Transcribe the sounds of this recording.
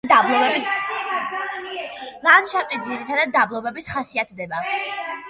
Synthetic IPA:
d̪ablˠɔbɛbit̪ʰ | ɾanʃapʼɛd̪ziɾit̪ʰad̪ad̪̚d̪ːablˠɔbɛbit̪ʰχasiat̪ʰd̪ɛba

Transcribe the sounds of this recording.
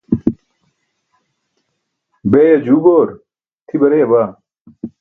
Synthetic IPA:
beːjɐd͡ʑuːboːɾ | t̪ʰibɐɾeːbaː

